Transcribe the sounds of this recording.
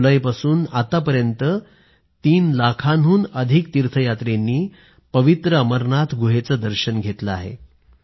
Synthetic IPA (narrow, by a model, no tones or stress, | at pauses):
ləjpasuːnat̪apəɾjənt̪ə | t̪iːnlakʰanɦuːnəd̪ʱik̚t̪iɾt̪ʰəjat̪ɾenːiː | pəʋit̪ɾəəməɾɳat̪ʰɡʱuɦet͡səd̪əɾɕənɡʱet̪ləaɦḛ